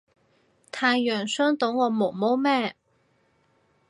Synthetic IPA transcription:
t̪ʰaː˧jːœː˨˩ŋsœː˥ŋt̪o˨˥wŋɔː˨˧mo˨˩wmo˥wmɛː˥

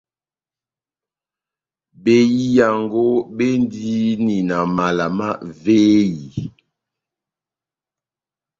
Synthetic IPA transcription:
be˨ji˦ja˨ŋɡo˦be˦n˦di˦ni˨na˨ma˨la˨ma˦ve˦ji˨

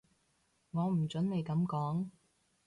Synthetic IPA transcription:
ŋɔː˨˧m̩˨˩t͡ʃɵ˨˥nne˨˧jkɐ˨˥mkɔː˨˥ŋ

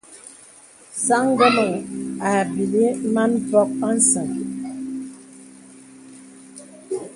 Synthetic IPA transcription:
sa˦ŋ˦ɡə˦mə˨ŋa˨bi˨li˦ma˦npɔ˦k̚pa˦n̩˦sə˨ŋ

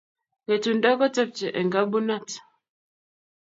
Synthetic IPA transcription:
ɣɛ˨tu˨nda˦kɔ˦tɛ˦p̚t͡ʃɛ˨ʔɛ˨ŋɡa˦bu˦na˦˨t

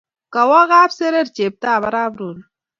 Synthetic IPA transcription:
ka˨wa˦ɣaː˦bse˦ɾe˦ɾt͡ʃe˨b̚ta˦˨βa˦ɾa˦bɾu˨n

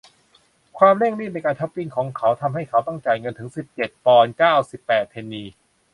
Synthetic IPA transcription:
kʰwaː˧mle˥˩ŋli˥˩na˧jkaː˧nt̪ʰa˦˥p̚pi˧nkʰɔː˩˦ŋkʰa˩˦˥wt̪ʰa˧mɦa˥˩jkʰa˩˦˥wt̪a˥˩ŋt͡ɕaː˨˩jŋɤ˧nt̪ʰɯ˩˦ŋsi˨˩p̚t͡ɕe˨˩t̪̚pɔː˧nkaː˥˩wsi˨˩pːɛː˨˩t̪ʰːeː˧nːiː˧

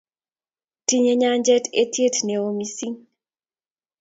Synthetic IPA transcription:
ti˦ɲe˦ɲa˦ɲd͡ʒɛ˦tʰe˦tje˦tne˨o˦mi˦si˦ŋ

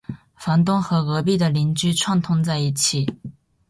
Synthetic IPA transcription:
fa˧˥nt̪ʊ˥ŋxɤ˧˥ɣɤ˧˥pi˥˩d̪ə˩li˧˥nt͡ɕy˥ʈ͡ʂʰwa˥˧ŋt̪ʰʊ˥ŋt͡sa˥˧ɪi˥˩t͡ɕʰi˥˩

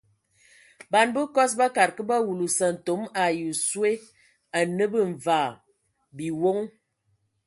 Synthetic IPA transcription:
ba˨nbə˦kɔ˦s̬ba˦ka˨ɾkə˦ba˦wu˨lu˨sə˨n̩˨to˨˦ma˨ju˨swe˦ | a˨nə˦bə˦ɱ˨vaː˨ | bi˨wo˦ŋ

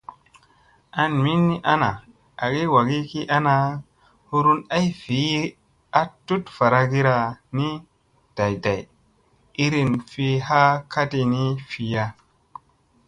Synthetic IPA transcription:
a˧nmi˦nːi˦ʔa˦na˨ | a˨ɡi˦wa˨ɡi˦ki˦ʔa˦na˧ | hu˧ɾu˦na˦jfi˨˦ | a˦tu˦tfa˨ɾa˧ɡi˦ɾa˧ni˦ | d̥a˨jda˨j | i˦ɾi˧nfi˧ha˦ka˦ti˧ni˦fi˧ja˧

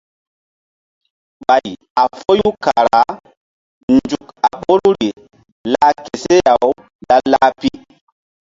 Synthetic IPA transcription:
ɓa˨j | a˨fo˦ju˦ka˨ɾa˨˦ | nd͡ʒu˨ka˨ɓo˦ɾu˦ɾi˨ | la˦ke˨se˦ja˨w | ɗa˦lːa˦pi˦

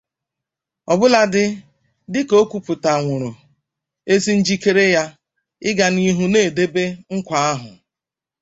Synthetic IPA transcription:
ɔ˨bʊ˦la˦dɪ˦ | dɪ˦ko˦kʷu˨pʊ˨ta˨ŋʷʊ˨ɾʊ˨ | e˦si˦n̩˦d͡ʒi˦ke˦ɾe˦ja˦ | ɪ˦ɡa˨ni˦ɦu˦ne˦˨de˦be˦ŋ̩˦kʷa˨a˦ɦʊ̰˨

